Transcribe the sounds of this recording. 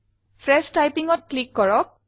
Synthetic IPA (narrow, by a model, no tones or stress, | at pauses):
fʰɹɛstajpiŋɔt̚klikːɔɹɔk̚